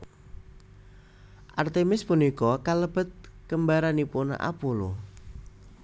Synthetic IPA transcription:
ʔart̪emɪspunikɔkaləb̥ə̤t̪̚kəmbaɾanipona̰ʔa̰polo

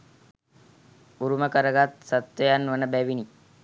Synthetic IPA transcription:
uɾuməkəɾəɡat̪sət̪ʋəjanʋənəbæʋini

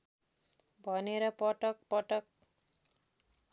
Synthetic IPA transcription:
bʱʌneɾʌpʌʈʌk̚pʌʈʌk̚

